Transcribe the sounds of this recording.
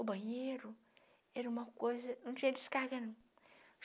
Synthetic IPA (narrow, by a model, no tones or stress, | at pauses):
obajeɾu | eɾumakʷozinũt͡ʃediskaɡan